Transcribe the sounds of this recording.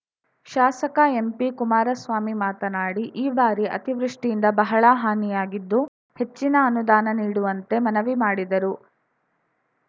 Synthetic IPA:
ʃaːsɐkɐe̞mpikumaːɾɐsʋaːmimaːt̪ɐnaːɽiʔiːbaːɾiʔɐ̰t̪iʋɾuʂʈijind̪ɐbɐɦɐɭɐɦaːnijaːɡid̪ːu | he̞t͡ʃːinɐːnud̪aːnɐniːɽuʋɐnt̪e̞mɐnɐʋimaːɽid̪ɐɾu

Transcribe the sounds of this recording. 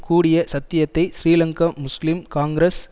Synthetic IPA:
kuːɽɪjɐsɐt̪ːɪjɐt̪ːɐɪsriːlɐŋkɐmʊslɪmkaːŋɡɾɐs

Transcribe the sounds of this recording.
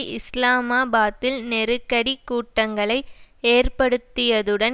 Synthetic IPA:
ʔɪslaːmaːbaːt̪ːɪlnɛɾɯkːɐɽikːuːʈːɐŋɡɐɭɐɪeːrpɐɽɯt̪ːɪjɐðɯɽɐn

